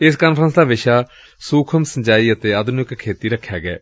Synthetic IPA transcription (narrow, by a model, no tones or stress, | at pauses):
ɪskaːnpʰɾə̃nsd̪aːʋɪʃaː | suːkʰəmsəɲd͡ʒaːiːət̪eːaːd̪ʱnɪkʰːeːt̪iːɾəkʰːjaːɡɛ̰ː